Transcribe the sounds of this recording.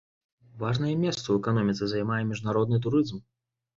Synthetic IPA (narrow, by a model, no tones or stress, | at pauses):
vaʐnɐjɛmʲɛst̪sɐwɛkanɔmʲit̪sɨzajmajɛmʲiʐnaɾɔd̪nɨt̪̬uɾɨzm